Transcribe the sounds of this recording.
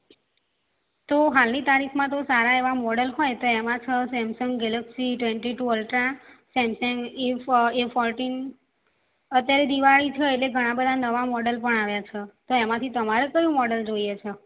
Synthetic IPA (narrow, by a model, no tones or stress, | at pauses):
t̪oɦalnit̪aɾikʰmãt̪̬osaɾaeʋamɔɽəlɦɔjt̪oemãt͡ʃʰəsɛmsəŋɡɡɛləksiʈʋeɳʈiʈuəlʈɾãsɛmsɛ̃ŋɡefefɔɾʈin | ət̪jaɾed̪iʋaɭit͡ʃʰeeʈleɡʱəɽ̃ãbəd̪ʱanəʋamɔɽəlpəɳaʋjat͡ʃʰet̪oemãt̪ʰit̪əmaɾekəjũmɔɽəld͡ʒoijet͡ʃʰe